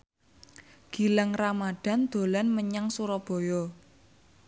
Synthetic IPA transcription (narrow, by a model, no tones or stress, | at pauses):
ɡ̥i̤laŋramaɖ̥a̤nd̪̥o̤lanməɲaŋsuɾɔb̥ɔ̤jɔ